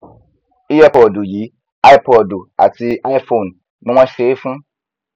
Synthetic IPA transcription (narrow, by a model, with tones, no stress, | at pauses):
i˦jɛ˦pɔ˨du˨ji˨˦ | a˦pʰɔ˨du˨a̰˨tʰi˦ʔa˦jfo˨n | nʊ̃˦ã˦ʃe˨˦fũ˦